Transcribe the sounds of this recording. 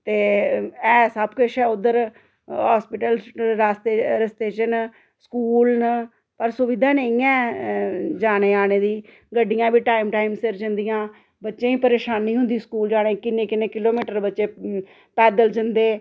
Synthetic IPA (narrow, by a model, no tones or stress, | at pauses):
t̪eːɛːsəbkəʃɛːʊd̪əɾ | ɦaːspɪʈəlɾaːst̪eːɾəst̪eːt͡ʃən | skuːlnə | pəɾsʊʋɪd̪ʱãːnəĩɛ̃ː | d͡ʒaːɽ̃eːaːɽ̃eːd̪iː | ɡəɖːɪjãːbiːʈaːimʈaːimsɪɾd͡ʒənd̪ɪjãː | bətːʃẽːiːpəɾeːʃaːnĩːɦʊnd̪iːskuːld͡ʒaːɽ̃ẽːkɪnːẽːkɪnẽːkɪloːmiːʈəɾbətːʃeː | pɛːd̪əld͡ʒənd̪eː